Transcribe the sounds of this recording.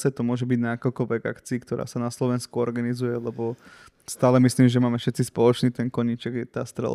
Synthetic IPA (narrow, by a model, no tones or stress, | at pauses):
sɛt̪ɔmʊɔʒɛbiɟnaːkɔlkɔʋɛɡa̰kt͡siːkt̪ɔɾa̰ːsanaslɔʋɛnskuɔɾɡanizujɛlɛbɔ | st̪aːlɛmisliːmʒɛmaːmɛfʃɛt̪t͡sispɔlɔt͡ʃniːt̪ɛnkɔɲit͡ʃɛɡɛt̪aːst̪ɾɛ̰l